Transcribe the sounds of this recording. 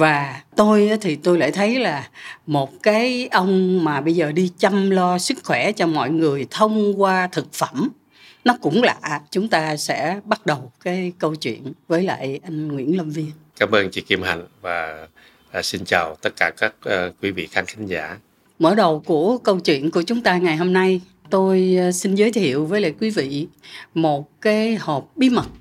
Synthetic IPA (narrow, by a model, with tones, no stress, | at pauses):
vaː˨˩t̪o˧jt̪ʰi˨˩t̪o˧jla̰ː˧˨jt̪ʰə˨˦jlaː˨˩mo˨˩t̚kaː˨˦jʔə˧wŋ͡mmaː˨˩ɓə˧jzəː˨˩ɗi˧t͡ɕa˧mlɔ˧sɨ˦˥kxwɛ˧˩t͡ɕɔ˧mɔ̰˧˨jŋɨ˨˩əjt̪ʰə˧wŋ͡mkwaː˧t̪ʰɨ˨˩k̚fə˧˩m | nɔ˨˦kʊ̰˧˥ŋ͡mla̰ː˧˨t͡ɕʊ˨˦ŋ͡mt̪aː˧sɛ̰˧˥ɓa˦˥t̚ɗə˨˩wkaː˨˦jkə˧wt͡ɕwḭ˧˨ənvəː˨˦jla̰ː˧˨jʔa˧jŋ̟ŋwḭ˧˥ənlə˧mvi˧ənkaː˨˦məː˧nt͡ɕḭ˧˨ki˧mha̰˨˧˨ŋ̟vaː˨˩˨ | si˧nt͡ɕaː˨˩wt̪ə˦˥t̚kaː˧˩kaː˦˥k̚ːkwi˨˦vḭ˧˨xʰaː˨˧˦ŋkʰa˨˦ŋ̟za̰ː˧˩˦ | məː˧˩ɗə˨˩wku˧˩əkə˧wt͡ɕwḭ˧˨ənku˧˩ət͡ɕʊ˨˦ŋ͡mt̪aː˧ŋa˨˩jɦo˧mna˧j | t̪o˧jsi˧nzəː˨˦jt̪ʰḭ˧˨əwvəː˨˦jla̰ː˧˨jkwi˨˦vḭ˧˨mo˨˩t̚kaː˨˦jhɔ˨˩p̚ɓi˨˦mə˨˩t̚